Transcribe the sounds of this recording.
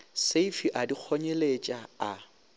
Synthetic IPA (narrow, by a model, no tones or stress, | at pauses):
seifiʔadik͡xʰɔɲelet͡ʃʼaa